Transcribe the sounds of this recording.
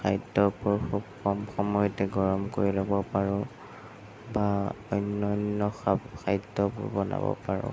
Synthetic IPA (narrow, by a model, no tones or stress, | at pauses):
xʰajdɔpɔɹxubkʰɔmxɔmɔjɔtɛɡɔɹɔmkoɹilɔbɔpaɹɔ̃ | baɔjnːɔnːɔxaxʰajdɔpɔ̰ɹbɔna̰bɔ̰paɹɔ̰̃